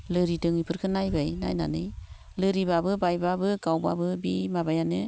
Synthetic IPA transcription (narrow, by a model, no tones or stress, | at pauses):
lɯɾidɯŋipʰɯɾkʰɯnajbajna̰jna̰nɯj | lɯɾibabɯbajbabɯɡawba̰bɯbimabajanɯ